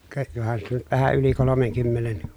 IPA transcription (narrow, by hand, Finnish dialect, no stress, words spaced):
kɑ johɑn siːt on nyt ʋæhæ yli kolomeŋkymːenen